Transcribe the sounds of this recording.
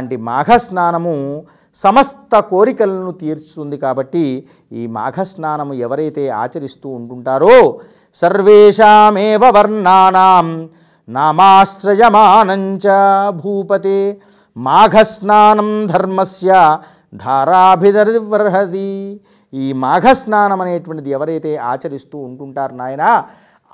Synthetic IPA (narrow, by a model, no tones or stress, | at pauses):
ɳʈima̰ːɡʱɐsnaːnɐmu | sɐmɐst̪ɐkoːɾikɐlɐnut̪iːɾst̪und̪ikaːbɐʈːi | iːma̰ːɡʱɐsnaːnɐmuɛʋɐɾɐjt̪eːa̰ːt͡ʃɐɾist̪uːɳʈuɳʈaːɾoː | sɐɾʋeːʂaːmeːʋɐʋɐɾnaːnaːm | naːmaːsɾɐjɐmaːnɐɲt͡ʃɐbʱuːpɐt̪eː | maːɡʱɐsnaːnɐmd̪ʱɐɾmɐsjɐ | d̪ʱaːɾaːbʱid̪ɐɾʋɐɾɦɐt̪i | iːmaːɡʱɐsnaːnɐmɐneːʈʋɐɳʈid̪iɛʋɐɾɐjt̪eːʔaːt͡ʃɐɾist̪uːuɳkuɳʈaːɾnaːjɐnaː